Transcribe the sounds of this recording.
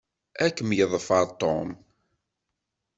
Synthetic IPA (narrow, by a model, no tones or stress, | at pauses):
ækːəmjəðˤfəɾˤt̪ːom